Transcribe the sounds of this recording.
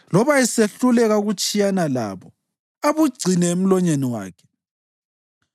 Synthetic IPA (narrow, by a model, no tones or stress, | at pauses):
lɔβaiseɬulɛɣauɣut͡ʃʼijanala̰βɔ | aβuɡ͡ǀʱinɛem̩lɔɲeniwa̰ːkʰɛ̥